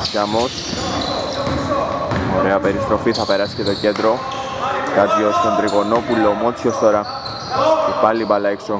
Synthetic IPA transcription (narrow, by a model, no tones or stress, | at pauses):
cɐmos | oɾe̞ɐpe̞ɾist̪ɾo̞fiθɐpeɾɐscet̪oce̞d̪ɾo | kɐt̪jost̪ont̪ɾiɣonopulːomot͡sʰjost̪oɾɐ | epɐlːipɐlɐekso